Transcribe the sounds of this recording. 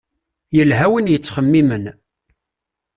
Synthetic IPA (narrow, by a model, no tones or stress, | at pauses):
jəlɦæwənjət͡sːχəmːimən